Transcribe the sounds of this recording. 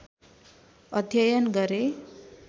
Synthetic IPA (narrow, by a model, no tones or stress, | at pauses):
ʌd̪ʱjʌjʌnɡʌɾe